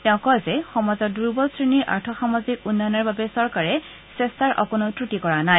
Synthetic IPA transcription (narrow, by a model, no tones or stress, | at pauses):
tɛʊ̃kɔjzɛxɔmazɔduɹbɔlsɹiniɹʔa̰ɹtʰɔxamɔzikunːanɔɹbabɛsɔɹkaɹɛ | sestaɹʔɔ̰konɔtɹutikɔɹanaj